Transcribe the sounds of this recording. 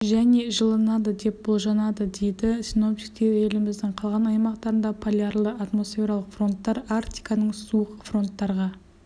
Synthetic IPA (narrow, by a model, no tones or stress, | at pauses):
ʒæne̞ʒəlˠənɑd̪əd̪e̞p̚bolˠʒɑnɑd̪əd̪e̞jd̪ɪsʲino̞p̚t̪ʲi̥kt̪e̞ɾe̞lɪmɪzd̪ɪɴqʰɑlˠʁɑnɑjmɑqt̪ɑɾənd̪ɑpʰolʲjarlˠəat̪mo̞sfʲe̞ɾalˠəqfro̞nt̪ːɑɾaɾt̪ʲijkɑnəɴsuəqfro̞nt̪ːɑɾʁɑ